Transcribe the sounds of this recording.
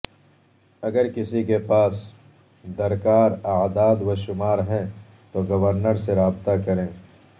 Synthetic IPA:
ɐɡəɾkɪsikepaːs | d̪ɐɾkaːɾaːd̪aːd̪wɐʃʊmaːɾɦɛ̃ | t̪oɡɐʋəɾnəɾseɾaːbt̪akɐɾẽː

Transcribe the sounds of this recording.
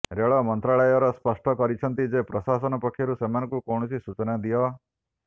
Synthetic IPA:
ɾeɭɔmɔnt̪ɾaɭɔjɔɾɔspɔsʈʰɔkɔɾit͡ʃʰɔnt̪id͡ʒepɾɔsasɔnɔpɔkʰːjɔɾusemanɔ̃ŋkukɔɽ̃ɔsisut͡ʃɔnad̪ijɔ

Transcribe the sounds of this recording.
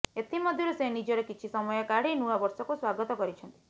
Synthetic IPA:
et̪ʰimɔd̪ʱjɔɾusenid͡ʒɔɽekit͡ʃʰisɔmɔjɔkaɽinuabɔɾsɔkuswaɡɔt̪ɔkɔɾit͡ʃʰɔnt̪i̥

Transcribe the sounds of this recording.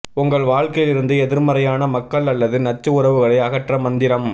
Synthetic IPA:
ʊŋɡɐɭʋaːɻkɐjɪlɪɾɯnd̪ɯɛðɪɾmɐɾɐjaːnɐmɐkːɐɭɐlːɐðɯnɐt͡ʃːɯʊrɐʋɯɣɐɭɐɪɐɣɐʈrɐmɐnd̪ɪɾɐm

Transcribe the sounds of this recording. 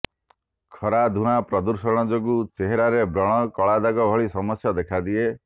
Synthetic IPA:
kʰɔɾad̪ʱuɽapɾɔd̪uɾsɔɽ̃ɔd͡ʒoɡut͡ʃeɦeɾaɾebɾɔɽ̃ɔkɔɭad̪aɡɔbʱɔɭisɔmɔsjɔd̪ekʰad̪ie

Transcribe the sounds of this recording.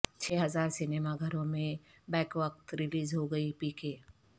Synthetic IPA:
t͡ʃʰeːɦɐzaːɾsɪneːmaɡʱɐɾõmẽ | bɛːkʋək̚t̪ɾɪliːzɦoɡɐipiːkeː

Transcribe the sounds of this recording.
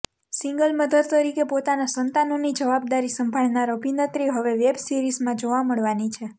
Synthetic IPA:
sĩŋɡəlməd̪əd̪̚t̪əɾikepot̪anasənt̪anonid͡ʒəʋab̚d̪aɾisəmbʱaɭnaɾəbinət̪ɾiɦəʋeʋebsiɾizmãd͡ʒoʋaməɭʋanit͡ʃʰe

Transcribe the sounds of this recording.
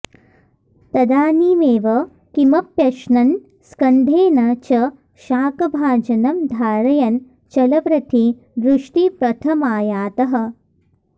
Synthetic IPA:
t̪ɐd̪aːniːmeːʋɐ | kimɐpjɐʃnɐn | skɐnd̪ʱeːnɐt͡ʃɐ | ʃaːkɐbʱaːd͡ʒɐnɐmd̪ʱaːɾɐjɐn | t͡ʃɐlɐʋɾɐt̪i | d̪ɾuʂʈipɾɐt̪ʰɐmaːjaːt̪ɐɦɐ̆

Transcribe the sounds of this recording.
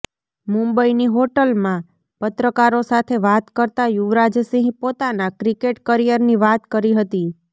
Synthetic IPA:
mũmbəiniɦoʈəlmã | pət̪ɾəkaɾosat̪ʰeʋat̪kəɾt̪ajuʋɾad͡ʒsĩɦɡpot̪anakɾikeʈkəɾijəɾniʋat̪kəɾiɦət̪i

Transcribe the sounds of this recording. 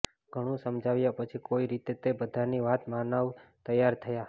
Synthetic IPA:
ɡ̥ʱəɽ̃ũsəmd͡ʒʱaʋjapət͡ʃʰikoiɾit̪et̪ebəd̪ʱaniʋat̪manaʋt̪əjaɾt̪ʰəja

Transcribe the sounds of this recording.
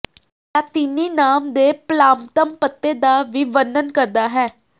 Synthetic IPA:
jat̪ɪniːnaːmd̪eːplaːmt̪əmpət̪ːed̪aːʋɪʋəndənkəɾd̪aːɦɛː

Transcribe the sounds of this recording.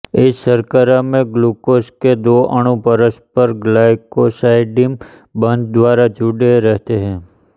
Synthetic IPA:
ɪssəɾkəɾamẽɡlukosked̪oə̰ɽ̃ũpəɾəspəɾɡlajkosaɪɖim | bə̃nd̪̚d̪ʋaɾad͡ʒuɖeɾəɦt̪eɦɛ̃

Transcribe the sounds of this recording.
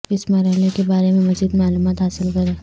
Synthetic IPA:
ɪsmɐɾaɦlekebaːɾemẽmɐziːd̪maːluːmaːt̪ɦaːsɪlkɐɾẽː

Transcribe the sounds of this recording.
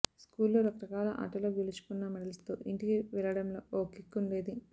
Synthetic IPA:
skuːlːoːɾɐkɐɾɐkaːlɐ̰ʔɐ̰ʈɐloːɡilut͡ʃu̥kunːɐmɐɽɐlst̪oːʔiɳʈikiʋɛlɐɽɐmloːʔoːkikːunleːd̪i

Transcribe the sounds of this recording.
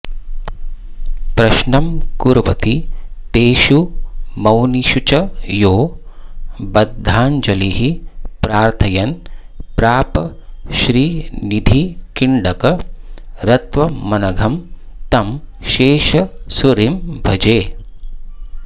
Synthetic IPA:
pɾɐʃnɐmkuɾʋɐ̰t̪it̪eːʃumɐwniʃut͡ʃɐjoː | bɐd̪ʱːaːnd͡ʒɐliɦipɾaːɾt̪ʰɐjɐnpɾaːpɐʃɾiːnid̪ʱikiɳɖɐkɐ | ɾɐt̪ʋɐmɐnɐɡʱɐm | t̪ɐmʃeːʃɐsuɾimbʱɐd͡ʒeː

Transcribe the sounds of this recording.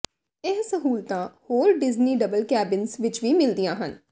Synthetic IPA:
ɪssəɦuːlt̪ãːhoːɾɖɪzniːɖəbəlkɛːbɪnzʋɪt͡ʃʋiːmɪld̪ijãːɦən

